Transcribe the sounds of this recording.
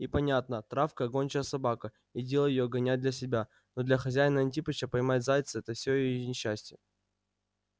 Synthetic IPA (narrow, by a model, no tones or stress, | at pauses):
ipɐnʲat̪̚nət̪ɾafkəɐɡonʲt͡ɕɪjəsɐbakə | idʲe̞lˠəjɪjoɡɐnʲat̚ʲd̪lʲɐsʲɪbʲa | nod̪lʲɐxɐzʲæjɪnəɐnʲtʲipəɕəpɐjmat̚ʲzajt̪sɨɛt̪əfsʲojɪjjnʲɪɕːæsʲtʲɪjə